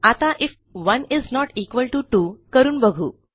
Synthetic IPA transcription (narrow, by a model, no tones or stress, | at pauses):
at̪aʔif | ʋəniznɔʈiːkʋəlʈuʈuːkəɾuːnbəɡʱuː